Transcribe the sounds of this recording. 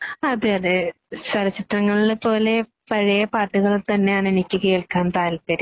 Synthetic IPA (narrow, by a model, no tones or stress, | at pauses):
ɐðɨɐðɨ | sɐɾɐt͡ɕːit̪rɐŋːɐɭilepo̞ːle̞ | pɐɻijɐpaːʈːuɣɐɭt̪ɐnːe̞jaːɳenikʲːɨke̞ːɭkaːnt̪aːlpɐɾi